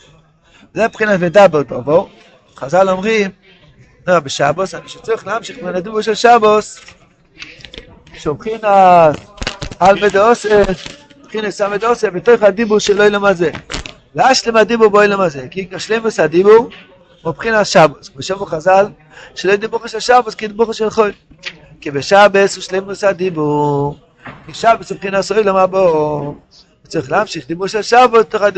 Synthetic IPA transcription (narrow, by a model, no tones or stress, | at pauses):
vzɛpχinasvedabeʁdovo | χazalomʁim | noabeʃabosaniʃet͡soʁiχleamʃiχmenad̪ibuʁʃelʃabos | ʃovχinasalmed̪eose | pχinasamedosebetojχhad̪ibuʁʃelojlomaze | laʃlimhadibuʁbojlamazɛkikʃlejmushadibuʁ | upχinasʃaboskbeʃamuχazal | ʃelojd̪ibuχoʃɛlʃaboskid̪ibuχoʃelχojl | kibeʃabesuʃlejmushadibu | kiʃabesupχinasojlomabo | ut͡soʁiχlamʃiχd̪ibuʁʃɛlʃabost̪oχadi